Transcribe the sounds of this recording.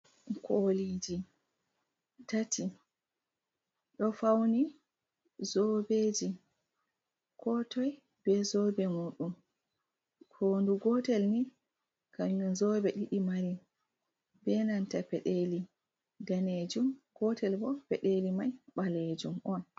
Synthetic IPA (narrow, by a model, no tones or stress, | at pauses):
kʰolid͡ʒi | tati | ɗɔfawni | zɔbed͡ʒi | kʰɔtɔj | bɛzɔbɛmuɗum | kʰonduɡɔtɛlni | kamzɔbɛɗiɗimaɾi | bɛnantapɛɗeli | daned͡ʒumɡ̥ɔtɛlbɔpɛɗelimajɓaled͡ʒumʔɔn